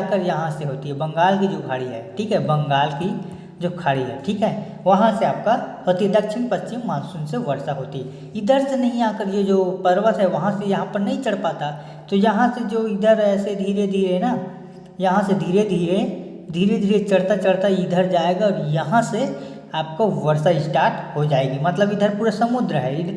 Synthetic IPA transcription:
kəɾjɐɦãseɦoːt̪iɦɛbɐ̃ŋɡaːlkid͡ʒoːkʰaːɽiɦɛːʈʰiːkɦɛbɐ̃ŋɡaːlki | d͡ʒoːkʰaːɽiɦɛ̰ʈʰiːkɦɛː | ʋɐɦãseaːp̚kaɦoːt̪iɦɛd̪ɐk̚t͡ʃʰɪmpɐtːt͡ʃɪmːaːnsunseʋɐɾsaɦoːt̪iɦɛ | ɪd̪ʱəɾsenɐɦĩaːkəɾjed͡ʒoːpɐɾʋət̪ɦɛʋɐɦãsejɐɦãpəɾnɐɦĩt͡ʃəɽ̤paːt̪a | t̪ojɐɦãsed͡ʒoːɪd̪ʱəɾɛːsed̪ʱiːɾed̪ʱiːɾeɦɛna | jɐɦãsed̪ʱiːɾed̪ʱiːɾe | d̪ʱiːɾed̪ʱiːɾet͡ʃɐɽ̤t̪at͡ʃɐɽ̤t̪aɪd̪ʱəɾd͡ʒaːeːɡaɔːɾjɐɦãse | aːp̚kaʋɐɾsaɪsʈaːɾʈɦod͡ʒaːeːɡimɐt̪ləbɪd̪ʱəɾpuːɾasɐmʊd̪ɾəɦɛɪ

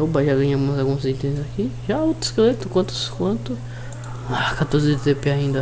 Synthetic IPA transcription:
ebaʒaɡɐ̃ɲaɡũmɐzalɡũmɐsĩt̪ẽzakiʒaot̪ɪ̥skelet̪ʊkwɐ̃t̪ʊ̥skwɐ̃nt̪ʊ | akat̪oɾzɪt̪epeaĩnd̪ɐ

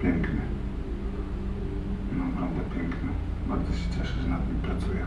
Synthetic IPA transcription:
pʲɛŋknʲɛ | naɔbɾɔvd̪ɛpʲɛŋknɛbaɾzɔɕɛ̥t͡ɕʲɛʂɛʒɛnat̪mʲipɾat̪sujɛ

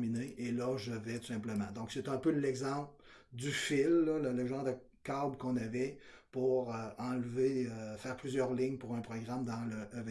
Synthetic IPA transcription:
mineʔelʌʒəvɛt̪u̥sɛ̃pləmɑ̃d̪ɔ̃kset̪ɛ̃pølɛɡzɑ̃pld̪yfɪlːɔlələʒɑ̃ːʁd̪ə | kabkɔ̃navɛpuʁəɑ̃lveøfɛːʁplyzjœːʁlɪɲpuʁɛ̃pʁɔɡʁamd̪ɑ̃ləʔːv

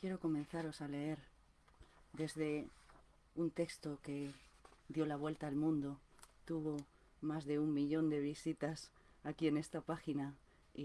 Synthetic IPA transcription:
kje̞ɾo̞ko̞mẽn̟θaɾo̞sale̞e̞ɾ | d̪e̞zðe̞ | unt̪e̞kst̪o̞ke̞d̪jo̞laβ̞we̞lt̪aːlmũnd̪ot̪uβ̞o̞ | mazðe̞ummiʎõ̞nd̪e̞β̞isit̪as | akie̞ne̞st̪apaxina | i

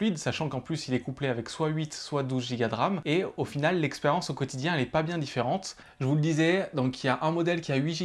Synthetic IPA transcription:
ɥid̪saʃɑ̃kɑ̃plysilɛkupleavɛkswaɥit̪swad̪uzʒiɡad̪ʁameofinalːɛkspeʁjɑ̃sokɔt̪id̪jɛ̃ɛlɛpabjɛ̃d̪ifeʁɑ̃t̪ | ʒəvuləd̪izɛd̪ɔ̃kʰiljaʔɛ̃mɔd̪ɛlkʲiaɥiʒi

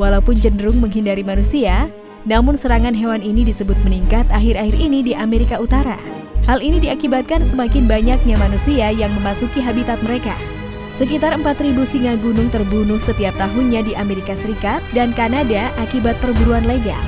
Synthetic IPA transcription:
walaupʊnd͡ʒəndɾʊŋməŋɦindaɾimanusia | namʊnsəɾaŋanɦewaninidisəbʊt̪̚məniŋkat̪aɦɪɾaɦɪrinidiʔameɾikaut̪aɾa̰ | halinidiakibat̪̚kansəmakɪnbaɲak̚ɲamanusiajaŋməmasukiɦabit̪at̪̚məɾeka̰ | səkit̪arəmpat̪ribusiŋaɡunʊŋt̪ərbunʊhsət̪iap̚t̪aɦunɲadiʔameɾikasəɾikat̪̚dankanadaʔakibat̪̚pərɡuɾuanleɡa̰

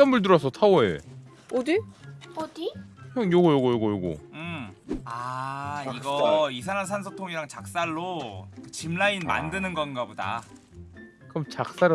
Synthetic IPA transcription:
ʌnmuɭd̬ɯɾʌsʰʌtʰaoe | odɯodiʌŋjoɡʌjoɡʌjoɡʌjoɡo̰ɯma | iɡʌisʰanɦansʰans̬ʰotʰoŋiɾaŋt͡ɕak̚s͈aɭːokɯt͡ɕimlainma̰ndɯnɯnɡʌnɡaboda̰ | kʌmt͡ɕak̚s͈aɾ

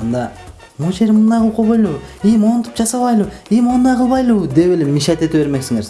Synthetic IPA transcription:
ɑnd̪ɑ | moʃeɾmənd̪ɑjqʰəlˠqʰobɑjlˠwejmont̪ʰə̥pʒɑsɑβɑjlˠuwijmond̪ɑqʰəlˠβɑjlˠəwd̪e̞welemiʃɑt̪e̞t̪ewe̞ɾme̞ksɪŋeɾ

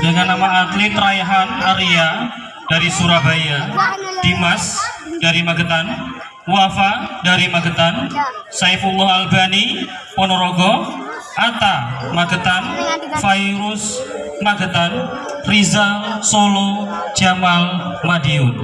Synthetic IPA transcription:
dəŋanːamaːt̪lit̪ɾaɛɦanaɾia | d̥aɾisuɾabajad̥imasd̥aɾimaɡət̪an | wafadaɾimaɡət̪ansajfulɔɦalbani | pɔnɔɾoɡɔʔat̪amaɡət̪anfaiɾʊs | maɡət̪an | rizasolo | d͡ʒamalmadiu

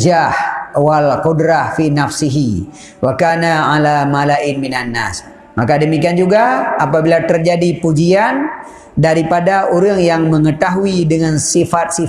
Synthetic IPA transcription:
d͡ʒahwalqudɾahfinafsiɦi | wakanaʕalamalaʔɪnminanːa̰s | makadəmikiand͡ʒuɡaapabilat̪ərd͡ʒadipud͡ʒian | daɾipadaʔoɾəŋjaŋməŋət̪aɦuidəŋansifat̪̚si

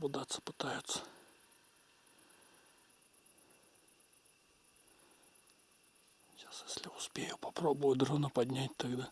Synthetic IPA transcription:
bʊd̪at̪sːə̥pɨ̥t̪ajʊt̪sə̥ | ɕasjesʲlʲɪʊspʲejʊpɐpɾobʊjʊd̪ɾonəpɐd̪ʲnʲætʲt̪ɐɡd̪a

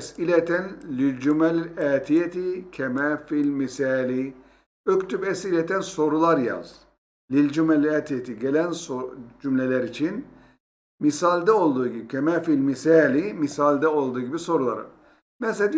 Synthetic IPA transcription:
silɛt̪ʰɛnlilʲd͡ʒumɛlɛːt̪ʰijet̪ʰicʰɛmɛfilʲmisɛːli | økt̪ʰybɛsilɛt̪ʰɛnso̞ɾulˠaɾja̰z̥ | lilʲd͡ʒumɛlæt̪ʰijet̪ʰiɟelʲænsod͡ʒymlʲelʲɛɾit͡ʃʰin | misalʲd̪ɛo̞lˠd̪uːɟibicʰɛmɛfilʲmisɛlʲimisalʲd̪ɛo̞lˠd̪uːɟibiso̞ɾulˠa̰ɾɯ̰ | mɛsɛd̪

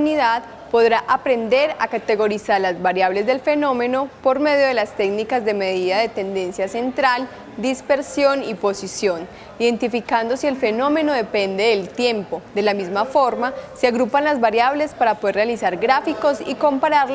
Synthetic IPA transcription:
niðað | po̞ðɾaʔapɾe̞nd̪e̞ɾa̰kat̪e̞ɣo̞ɾisaɾlazbaɾjaβle̞zd̪e̞lfe̞no̞me̞no̞po̞ɾme̞ðjo̞ðe̞last̪e̞ɡnikazd̪e̞me̞ðiðaðe̞t̪e̞nd̪e̞nsjase̞nt̪ɾal | d̪ispe̞ɾsjo̞nipo̞sisjo̞n | iðe̞nt̪ifikand̪o̞sie̞lfe̞no̞me̞no̞ðe̞pe̞nd̪e̞ðelt̪je̞mpo̞d̪e̞lamizmafo̞ɾmasiaɣɾupanlazβaɾjaβle̞spaɾapoð̞erealisaɾɡɾafiko̞siko̞mpaɾaɾl

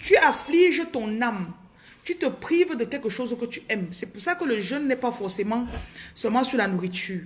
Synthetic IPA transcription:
t̪yafliʒət̪ɔ̃nam | t̪yt̪əpχivd̪əkʲɛlkəʃozkət̪yɛmsɛpuʁsakələʒœnːɛpafɔʁsemɑ̃sœlmɑ̃syʁlanuʁit̪yːʁ

